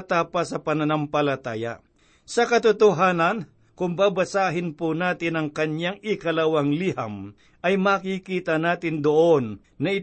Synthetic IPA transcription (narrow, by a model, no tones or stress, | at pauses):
t̪aːpɐsɐpɐnɐnampɐlɐt̪aːja̰ | sɐkɐt̪ʊt̪ʊɦaːnɐn | kʊŋbaːbɐsaːɦɪnpʊnaːt̪ɪnɐŋkɐɲjaŋɪkɐlɐwaŋliɦa̰m | ʔɐjmakikiːt̪ɐnaːt̪ɪnd̪oʔonː | ɐɪ